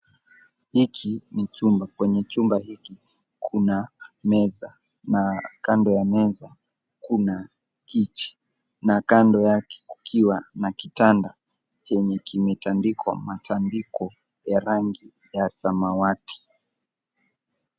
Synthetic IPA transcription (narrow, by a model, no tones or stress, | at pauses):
hikʰinit͡ʃumbakwɛɲɛt͡ʃumbahiki | kʰunamɛza | nakandɔjamɛza | kuna | kit͡ʃi̥ | nakandɔjakɛ̥kukʰiwanakitanda | t͡ʃɛɲɛkimɛtandikʰɔ̰matʰandikɔ | jaɾaŋɡi | jasamawati̥